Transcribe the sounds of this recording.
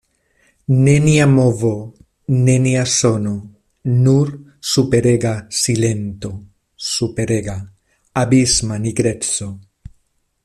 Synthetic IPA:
neniamovo | neniasono | nuɾ | supeɾeɡasilent̪o | supeɾeɡaː | bizmaniɡɾet͡so

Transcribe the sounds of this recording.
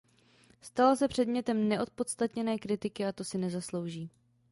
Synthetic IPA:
st̪alasɛpr̝̥ɛdmɲɛt̪ɛmnɛʔo̞t̪̚po̞t̪st̪at̪ɲɛnɛːkɾɪt̪ɪkɪat̪o̞sɪnɛzaslo̞wʒiː

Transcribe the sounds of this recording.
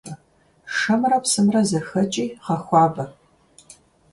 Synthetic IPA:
ɐ | ʂɐmrɐpsɨmrɐzɐxɐt͡ʃʼiːqɐxʷɑːbɐ

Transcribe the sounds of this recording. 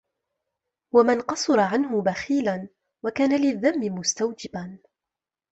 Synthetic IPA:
wamanqɑsˤʊɾˤɑʕanɦʊbaxiːlan | wakaːnalɪðːamːɪmʊst̪awd͡ʒɪban

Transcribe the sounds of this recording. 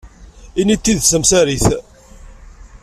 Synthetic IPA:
init̪ːiðsəmsæɾiθ

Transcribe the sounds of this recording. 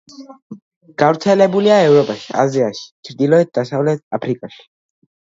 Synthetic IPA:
ɡ̥avɾt̪sʰɛlɛbuliaɛvɾɔpʼaʃi̥a̰ziaʃi̥t͡ʃʰɾd̪ilɔɛt̪̚d̪asavlɛt̪̚apʰɾikʼaʃi̥

